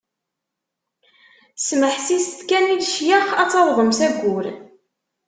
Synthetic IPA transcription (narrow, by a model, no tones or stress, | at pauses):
sməħsist̪kæniðʃjaχæt͡sːɑðˤðˤəmsæɡːʊɾ